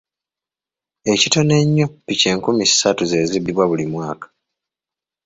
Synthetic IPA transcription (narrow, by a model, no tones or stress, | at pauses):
e̞cito̞ne̞ɲːopːice̞ːŋkumisatuze̞ːzibiβwaβulimwaːkḁ